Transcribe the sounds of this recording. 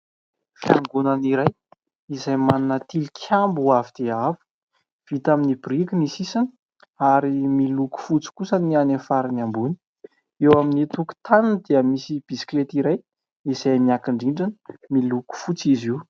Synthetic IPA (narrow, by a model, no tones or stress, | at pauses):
fiaŋɡunaniɾaj | izajmanunət̪ilikʲʰambuavid̪̥eavu̥ | v̥it̪aminibrikinisisinə̥ | aɾimiluku̥fut͡si̥kusənianefaɾinambuni̥ | ewaminit̪uku̥t̪anind̪eəmisib̥isi̥klet̪iɾaj | izajmiakiɳɖ͡ʐiɳɖ͡ʐanəmiluku̥fut͡siziw